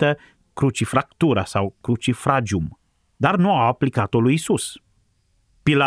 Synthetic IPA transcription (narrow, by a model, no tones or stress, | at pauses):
t̪ə | kɾut͡ʃifɾakt̪uɾa̰sawkɾut͡ʃifɾad͡ʒum | d̪arnuawaplikat̪o̞lujisus | pila